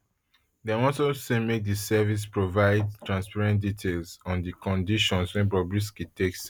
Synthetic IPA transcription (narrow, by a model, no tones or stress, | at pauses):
dãmɔ̃sosẽmek̚disɛvis̬pɹovaɪd̚tɹãnspaɹɛ̃nt̚ditʰelsɔ̃ndikɔ̃ndiʃɔ̃nswɛ̃nbɹɔbɹis̬kitʰeks